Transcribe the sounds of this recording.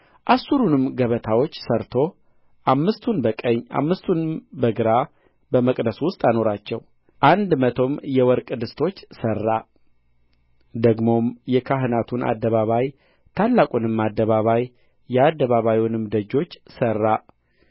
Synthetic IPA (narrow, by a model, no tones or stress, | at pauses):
ʔasuɾunɨmɡəβət̪ʰawo̞t͡ʃːsəɾt̪ʰo̞ | ʔamːɨst̪ʰunbəkʼəɲːʔa̰mːɨst̪ʰunmbəɡɨɾa | bəməkʼd̪əswʊst̪ʼano̞ɾat͡ʃːɛw | ʔand̪mət̪ʰo̞mjɛwɔɾkʼd̪ɨst̪ʰo̞t͡ʃːsərːa | d̪əɡmo̞mjɛkʰaɦɨnat̪ʰunʔa̰d̪ːəβaβaj | t̪ʰalːakʼunɨmːad̪ːəβaβaj | jɛad̪ːəβaβajunɨmd̪əd͡ʒo̞t͡ʃːsərːa